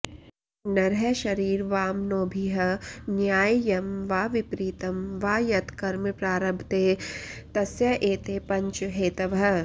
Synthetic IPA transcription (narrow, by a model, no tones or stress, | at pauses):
nɐɾɦɐʃɐɾiːɾʋaːmnoːbʱiɦɐnjaːjjɐmʋaːʋɪpɾiːt̪ɐmʋaːjɐt̪ʰkɐɾmpɾaːɾɐbʱt̪eːt̪ɐsjɐʔeːt̪eːpɐ̃ɲt͡ʃɦeːt̪ɐʋɦɐ